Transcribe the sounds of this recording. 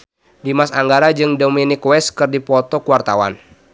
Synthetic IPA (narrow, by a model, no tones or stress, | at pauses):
dimasaŋɡaɾad͡ʒɨŋdominɪkwɛskɨrdipɔt̪ɔkuwart̪awa̰n